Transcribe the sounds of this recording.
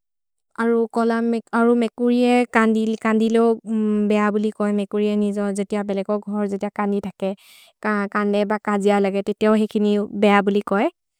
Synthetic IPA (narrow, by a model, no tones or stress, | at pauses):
aɹukɔlamaɹumɛkuɹiɛkandikandilebɛjabulikɔjmɛkuɹiɛnizɔzetijabɛlɛɡɔɡʱɔɹzetijakanditʰakɛ | kakandɛbakazijalaɡɛtetijaʊxekʰinibɛjabulikɔj